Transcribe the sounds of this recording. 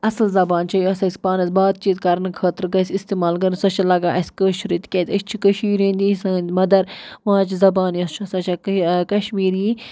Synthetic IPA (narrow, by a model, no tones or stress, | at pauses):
ɐslzɐbaːnt͡ʃʰɐjuɐsɐːsʲpaːnɐsbaːd̪̚t͡ʃiːt̪kɐɾnkʰɐːt̪ɾɡɐsʲist̪eːmaːlɡɐɾsɐt͡ʃʰɐlɐɡaːʔɐsʲkəːʃʰɾit̪kʲet̪ʲət͡ʃʰt͡ʃʰikɐʃiːɾẽːnd̪iːsɐ̃nd̪mɐd̪ɐɾʋãːt͡ʃʰizɐbaːnjɐst͡ʃʰuɐsɐt͡ʃʰakɐʃmiːɾjiː